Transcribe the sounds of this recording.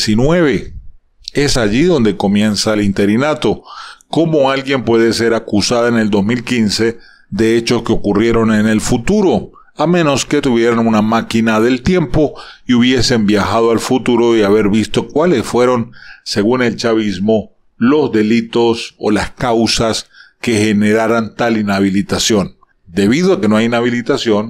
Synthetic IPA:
sinwe̞βe̞ | e̞saʝiðo̞nd̪e̞ko̞mje̞nsaelint̪e̞ɾinat̪o̞ko̞mo̞alɣje̞mpwe̞ðe̞se̞ɾakusaðaene̞ld̪o̞zmilkinse̞ | ðe̞et͡ʃo̞skeo̞kurje̞ɾo̞nene̞lfut̪uɾo̞ | amẽ̞no̞ske̞t̪uβje̞ɾanunamakinaðe̞lt̪je̞mpo̞iuβje̞se̞mbjaxaðoalfut̪uɾo̞iaβe̞ɾβist̪o̞kwale̞sfwe̞ɾo̞nse̞ɣune̞lt͡ʃaβizmo̞ | lo̞zðe̞lit̪o̞so̰laskawsaske̞xe̞ne̞ɾaɾant̪alinaβ̞ilit̪asjo̞n | d̪e̞βiðoake̞noajinaβilit̪asjo̞n

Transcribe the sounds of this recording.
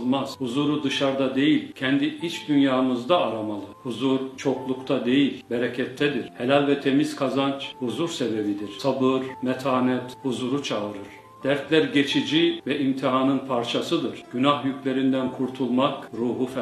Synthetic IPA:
lˠmaz̥huzuːɾud̪ɯʃaɾd̪ad̪e̞jilʲcʰɛnd̪iit͡ʃd̪ynjaːmɯzd̪aːɾamalˠɯhuzuɾt͡ʃʰo̞klˠukt̪ʰad̪e̞jilʲbeɾecʰɛt̪ʰːɛd̪iɾ̥helʲalʲvɛt̪ʰe̞miz̥kʰazant͡ʃhuzuɾsebebid̪iɾ̥sabɯɾmɛt̪ʰaːnɛt̪huzuɾut͡ʃʰaɯɾɯɾ̥ | d̪̥æɾt̪lʲæɾɟet͡ʃʰid͡ʒivɛimt̪ʰiɦanɯnpʰaɾt͡ʃʰasɯd̪ɯɾɟ̥ynahjycʰlʲe̞ɾind̪ænkʰuɾt̪ʰulˠmakɾuːɦuf

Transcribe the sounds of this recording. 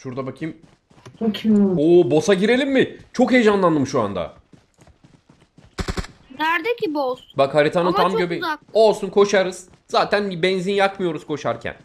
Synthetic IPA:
ʃuɾd̪abakʰim | okʰobo̞saɟiɾe̞lʲimːɪt͡ʃʰo̞kɦejd͡ʒanlˠand̪ɯmʃua̰nd̪a̰ | d̪æɾd̪ecʲʰibosbakhaɾit̪ʰanɯnʰamɟøbeao̞lˠsunkʰo̞ʃaɾɯz̥ | z̥aːt̪ʰænbɛnzinjakmɯjo̞ɾuz̥kʰo̞ʃaɾcʰæ̰n

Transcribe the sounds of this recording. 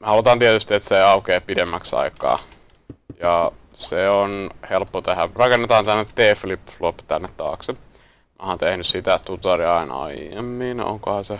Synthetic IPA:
mehɑlut̪ɑːnt̪iet̪yst̪iet̪seiɑukeːpidemːæksɑ̰ikˑɑ̰ː | jɑ | seonhelpːot̪ehærɑkenːet̪ɑːnt̪ænːet̪t̪eːflipːflopːt̪ænːet̪t̪ɑ̰ːkse | mohɑnt̪ehnyssit̪æt̪ut̪ɑriɑinɑ̰iḛmːiːno̰ŋkohɑnse

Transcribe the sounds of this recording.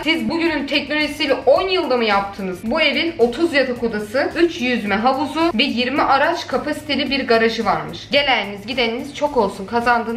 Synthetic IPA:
sizbuɟynynt̪ʰɛcno̞lʲoʒisijlʲɛʔo̞njɯlˠd̪amɯjap̚t̪ʰɯnɯz̥bue̞vino̞t̪ʰuzjat̪ʰakʰod̪asɯyt͡ʃjyzmɛɦavuzuvɛjiɾmiʔaɾat͡ʃkʰapʰasi̥t̪ʰe̞lʲibiɾɡaɾaʒɯvaɾmɯʃɟe̞lʲæninizɟid̪eniniz̥t͡ʃʰo̞ko̞lˠsunkʰazand̪ɯn

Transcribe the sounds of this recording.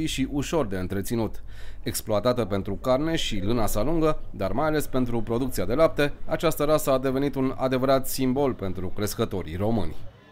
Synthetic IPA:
iʃiʔuʃo̞rd̪e̞ɨnt̪ɾe̞t̪sinut̪ | e̞ksploat̪at̪əpe̞nt̪ɾukarne̞ʃilɨnasaluŋɡəd̪armajale̞spe̞nt̪ɾupɾo̞d̪uk̚t̪siad̪e̞lap̚t̪e̞at͡ʃast̪əɾasəad̪e̞ve̞nit̪una̰d̪e̞vəɾat̪simbo̞lpe̞nt̪ɾukɾe̞skət̪o̞ɾḭro̞mɨ̰nʲ

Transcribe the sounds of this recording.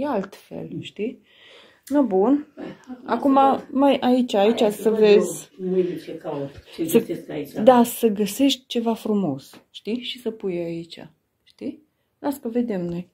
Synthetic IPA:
ealt̪fe̞̰lʃt̪i | nəbun | a̰kumamajʔait͡ʃait͡ʃʲasəve̞zʲ | səd̪asəɡəse̞ʃt̪̚ʲt͡ʃe̞vafɾumo̞sʃt̪iʃisəpujait͡ʃa̰ | ʃt̪i | askəve̞d̪e̞mno̞j

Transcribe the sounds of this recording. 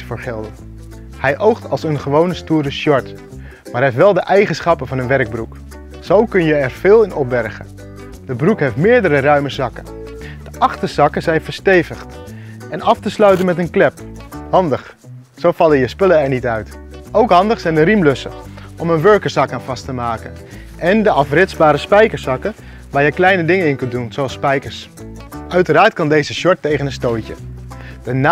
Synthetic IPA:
fəːɹχɪlˠdə | hɛjʔowχtɑlˠsənχəʋownəstuːɾəʃɔɹt | maːɹeftʋɛlˠdəʔɛjχənsχɑpənvɑnənʋɛrɡ̚bruk | z̥owkɵnjəɛɹv̥ɪːlˠɪnɔp̚bɛrχə̰ | d̥əbrukɦejftmɪːɹdəɾərœɥməzɑkən | d̥əʔɑχtəz̥ɑkəzɛjnvəɹstejvəχt | ɛnɑftəslœɥtənmɛtənklɛphɑndəχ | sowfɑləjəspɵləɛɹnitœɥt | ʔowkɦɑndəχsɛjndəɾimlɵsə̰ | ʔɔmənʋøɹkəɹsɑkaːnvɑstəmaːkən | ʔɛndəɑfrɪtsbaːɾəspɛjkəɹsɑkə | ʋaːɹjəklɛjnədɪŋənɪnkɵndunz̥owɑlˠspɛjkəɹs | œɥtəraːɹtkɑndejzəʃɔɹtːejχənənstojcə̰dəna

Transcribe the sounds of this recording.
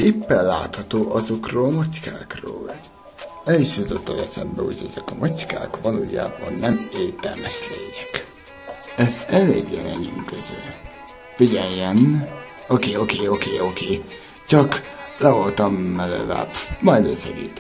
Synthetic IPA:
epːɛlla̰ːt̪hɒt̪oːʔɒzo̞kroːlmɒckaːkro̰ːl | ɛliʃjut̪ot̪ːɒjɛsɛmbɛho̰ɟɛzɛkɒmʔɒcka̰ːkʋɒloːja̰ːbɒnːɛmeːt̪ɛlmɛʃleːɲɛk | ɛzɛlḛːɡjɛ̰lɛ̰ɲyŋkøzøl | fiɟɛjːɛn | okeːokeːo̞keːokeː | t͡ʃɒklɛvolt̪ɒmːɛlɛ̰la̰ːpmɒjd̪eːsɛ̰ɡit̪

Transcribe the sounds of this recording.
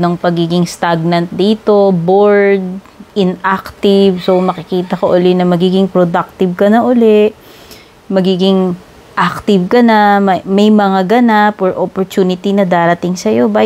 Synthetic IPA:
nɐŋpɐɡiːɡɪŋst̪aɡ̚nɐnt̪̚d̪iːt̪o̞boɹd̪̚ | ʔɪnʔakt̪ɪvso̞mɐkɪkiːt̪ɐkoʔʊlɛʔnɐmɐɡiːɡɪŋpɾod̪ak̚t̪ɪb̚kɐnɐʔʊlɛʔ | mɐɡiːɡɪŋ | ʔak̚t̪ɪvkɐnɐmɐmɐjmɐŋaɡɐnapɔɹʔopoɹt̪unɪt̪inɐd̪aːɾɐt̪ɪŋsɐjo̞ba

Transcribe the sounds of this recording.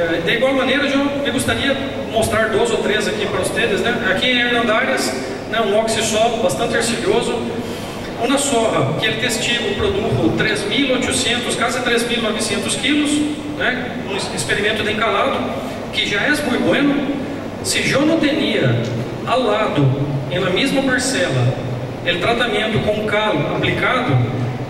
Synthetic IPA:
ɛd̪ɪiɡwawmɐneɾɐʒõmɪɡost̪aɾiɐ | most̪ɾaɾd̪ozowt̪ɾezakipɾɐʊst̪ed̪ɪznɛakiẽj̃eɾnɐ̃nd̪aɾɪs | nɛũɔksɪsɔlʊbast̪ɐ̃nt̪ɪoɾsiliozʊ | ũnɐsoɦɐkɪelɪt̪est͡ʃiɡʊpɾod̪ukʊt̪ɾezmilojt͡ʃ̪ʊsẽnt̪ʊskwazɪt̪ɾezmilnɔvɪsẽnt̪ʊskilʊs | nɛ | ũispeɾimẽnt̪ʊd̪ẽŋkaɾad̪ʊ | kɪʒaɛzmũj̃t̪bwẽnʊ | sɪʒõnɐ̃t̪eniɐ | awlad̪ʊẽj̃lɐmezmɐpaɾsɛlɐ̰ | elɪt̪ɾat̪amẽnt̪ʊkõkalʊkɐ̃mplikad̪ʊ

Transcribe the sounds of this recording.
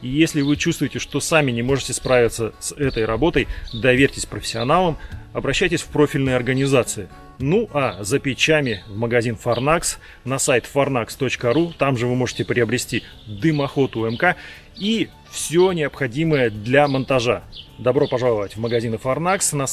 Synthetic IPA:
ijesʲlʲɪvɨt͡ɕust̪vʊjɪtʲɪʂt̪o̞samʲɪnʲɪmo̞ʐɨtʲɪspɾavʲɪt̪səsɛt̪əjɾɐbo̞t̪əjd̪ɐvʲeɾʲtʲɪsʲpɾəfʲɪ̥sʲːɪɐnalˠəmɐbɾɐɕːæjtʲɪsʲfpɾo̞fʲɪlʲnɨjɐrɡənʲɪzat̪sɨɪ | nuʔazəpʲɪt͡ɕamʲɪvməɡɐzʲinfɐrnaks | nɐsajt̪fɐrnakst̪o̞t͡ɕkəɾut̪amʐɨvɨmo̞ʐɨtʲɪpɾʲɪəbɾʲɪsʲtʲi | d̪ɨmɐxo̞t̪ʊɛmka | i | fsʲonʲɪəpxɐdʲiməjəd̪lʲɐmənt̪ɐʐad̪ɐbɾo̞pɐʐalˠəvətʲvməɡɐzʲinɨfɐrnaksnɐ

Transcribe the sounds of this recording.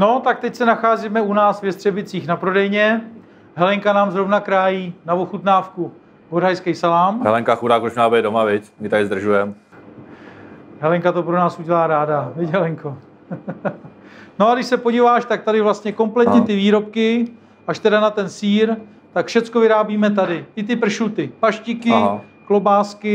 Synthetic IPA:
no̞t̪ak̚t̪ɛcsɛnaxaːzimɛunaːsvjɛst̪r̥ɛbɪt͡siːxnapɾo̞dɛjɲɛ | ɦɛlɛŋkanaːmzɾo̞vnakɾaːjiːnavoxut̪naːfku | ɡoɾɦajskɛjsalaːmɦɛ̰lɛŋkaxudaːk̚pɾoʃmnaːbɛɛdomavɪcmɪt̪aɾɪzd̪r̩ʒujɛm | ɦɛlɛŋkat̪o̞pɾonaːsuɟɛlaːɾaːdavɪcɦɛlɛŋko̞ | noadɪʃsɛpoɟiːvaːʃt̪ak̚t̪adɪvlast̪ɲɛko̞mplɛt̪ɲɛt̪ɪviːɾo̞p̚kɪ | ʔaʃt̪ɛdanat̪ɛnsiːɾ | t̪akfʃɛt͡sko̞vɪɾaːbiːmɛt̪̬adɪɪt̪̬ɪpr̩ʃut̪ɪpaʃcɪkɪɦaklobaːskɪ

